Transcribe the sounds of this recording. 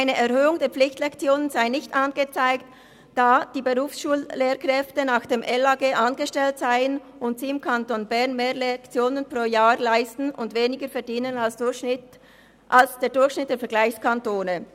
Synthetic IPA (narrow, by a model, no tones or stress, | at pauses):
ʔaɪnəʔɛʁhøːʊŋdeːɐp͡flɪçtlɛkt͡sjoːnənzaɪnɪçtʔanɡət͡saɪkt | d̥aːd̥iːbəʁuːfsʃuːlleːɾkʁɛftənaːxd̥eːmʔɛlaɡeːʔanɡəʃtɛltz̥aɪən | ʔʊntz̥iːɪmkʰantonbɛʁnmeːʁlɛkt͡sjoːnənpʁ̥oːjaːʁlaɪstn̩ʊndveːnɪɡəfɛɐdiːnənalsɪt | ʔalsd̥eːɐdʊɾçʃnɪt̚d̥eːɐfɛɐɡlaɪçskantoːnə